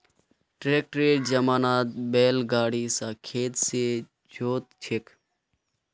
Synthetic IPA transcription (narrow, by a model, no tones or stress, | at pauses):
ʈɾeːk̚ʈɾeːʈd͡ʒəmaːnaːt̪̚beːlɡaːɽisakʰeːt̪se | d͡ʒoːt̪̚t͡ʃʰek